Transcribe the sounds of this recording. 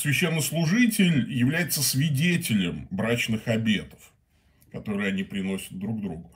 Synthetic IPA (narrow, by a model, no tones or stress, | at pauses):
svʲɪɕːenːəslˠʊʐɨtʲɪlʲjɪvlʲæjɪt̪səsvʲɪdʲetʲɪlʲɪmbɾat͡ɕnɨxɐbʲe̞t̪ə̥f | kɐt̪o̞ɾɨɪɐnʲipɾʲɪno̞sʲə̥t̪̚d̪ɾuɡ̚d̪ɾuɡʊ